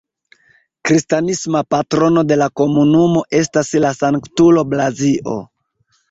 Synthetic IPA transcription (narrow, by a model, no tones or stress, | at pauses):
kɾistanismapatɾo̞no̞de̞lako̞munumo̞ʔe̞staslasaŋktulo̞blaziʔo̰